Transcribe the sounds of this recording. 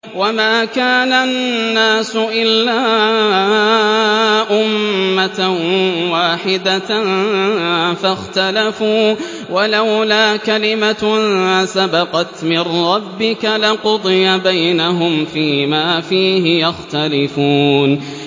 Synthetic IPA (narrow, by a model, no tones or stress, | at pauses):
wamaːkaːnanːaːsʊʔɪlːaː | ʔʊmːa | waːħɪd̪a | faxt̪alafuː | walawlaːkalɪma | sabɑqɑt̪mɪnɾˤɑbːɪkalɪqʊd̪ˤɨjabajnaɦʊmfiːmaːfiːɦɪjaxt̪alɪfuːn